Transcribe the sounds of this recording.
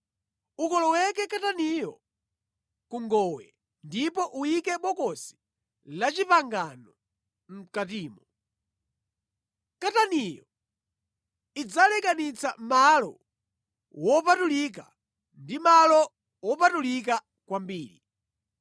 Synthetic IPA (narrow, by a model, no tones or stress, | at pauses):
ukɔlɔwɛk̬ɛkatanijɔ | kuŋɡɔwɛ̰ | ndipɔʔuikɛɓɔkɔsi̥ | lat͡ʃipaŋɡanɔ | m̩katiːmɔ | katanijɔ | id͡zalɛkanit͡samalɔ̰ | wɔpatulik̬a̰ | ndimalɔ | wɔpatulik̬a | kwambiːɾi